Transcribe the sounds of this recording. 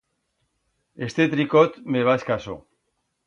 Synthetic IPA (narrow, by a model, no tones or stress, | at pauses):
est̪et̪ɾikot̪meβaskaso̰